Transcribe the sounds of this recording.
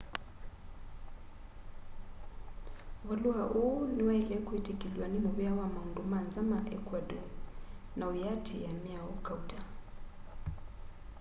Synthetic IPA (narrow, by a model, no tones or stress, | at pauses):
βaluaʔuniwailɛkʼuetʰʼekʼilwanimuβijawamaundumand͡zamaʔɛkʰʼwadɔ | naujatʰḭjamiaukʰʼauda